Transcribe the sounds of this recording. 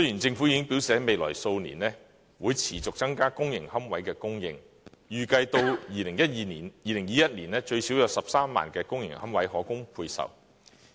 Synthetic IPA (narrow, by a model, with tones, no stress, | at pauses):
sɵ˥jiː˨˩nt͡sɪ˧ŋfu˨˥jiː˨˧kɪ˥ŋpi˨˥wsɛː˨˥me˨jlɔ̰ː˨˩jso˧wnḭː˨˩nlɛː˥ | wuː˨˧jt͡sʰiː˨˩t͡sʊ˨k̚t͡sɐ˥ŋkaː˥kʊ˥ŋjɪ̰˨˩ŋhɐ˥mwɐ˨˥jkɛː˧kʊ˥ŋjɪ̰˧ŋ | jyː˨kɐ˧jt̪o˧wjiː˨˧lɪ˨˩ŋjɐ˥t̚jiː˧niː˨˩njiː˨˧lɪ˨˩ŋjiː˨˧jɐ˥t̚niː˨˩nɛː˥t͡ʃɵ˧ɥsi˨˥wjɔ˨˧˥wsɐ˨p̚saː˥mːa̰ː˨nkɛː˧kʊ˥ŋjɪ̰˨˩ŋhɐ˥mwɐ˨˥jɦɔː˨˥kʊ˥ŋpʰuː˧jsɐ̰˨˩w